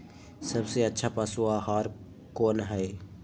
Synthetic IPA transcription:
səbseətːʃʰapaːsuaɦaːɾ | koːnɦɛ

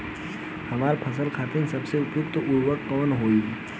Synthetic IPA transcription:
hɐmaːɾpʰɐsəlkʰaːt̪ẽnsɐbseʊpjuɡt̪oʔʊɾwəɽkɔːnɦoːi

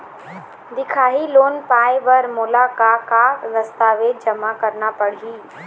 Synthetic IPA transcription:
d̪ɪkʰaːɦiloːnpaːɪʋɐɾmʊlakakaɾɐst̪aʋeːd͡ʒɐmakɐɾnapɐɽ̤iiː

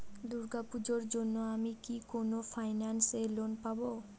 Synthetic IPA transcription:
d̪uɾɡapud͡ʑoɾd͡ʑonːoamikikonofʰajnanselonpabo

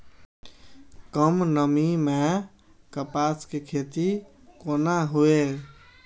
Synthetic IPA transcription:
kəmnəmime | kəpaskekʰet̪i | konaɦue

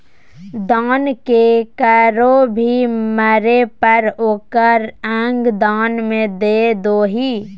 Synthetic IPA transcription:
d̪aːnkekaɾobʱiməɾepəɾoːkəɾɛ̃ːŋɡd̪aːnmẽd̪ed̪oːɦiː

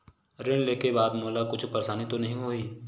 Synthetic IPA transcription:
ɾɪɽ̃leːkebaːd̪moːlakʊt͡ʃʰpɐɾeʃaːnit̪onɐɦĩɦoːiː

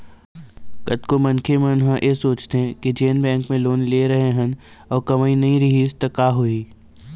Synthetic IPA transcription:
kɐt̪komɐ̃nkʰemenɦãʔesoːt͡ʃt̪eɦɛ̃ked͡ʒeːnbɛ̃ːŋkmẽloːnleːɾɐɦeɦən | ɔːɾkɐmaːinɐɦĩɾɪɦiːst̪ɐkaːɦoiː

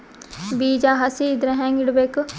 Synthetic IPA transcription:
biːd͡ʒaːɦasid̪ɾɛ̃ɦɛ̃ŋɡɪɽbek

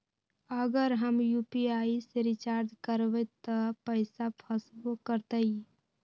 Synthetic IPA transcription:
əɡəɾɦəmjupiaːiseɾit͡ʃaɾd͡ʒkəɾʋet̪ːəpəɪsapʰəsbokəɾt̪əi

